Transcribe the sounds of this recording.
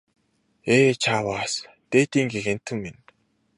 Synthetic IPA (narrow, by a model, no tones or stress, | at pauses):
eːt͡ɕʰaːwaːs | t̪eːt̪iːŋɡexen̥t̪ʰɘ̆ŋmen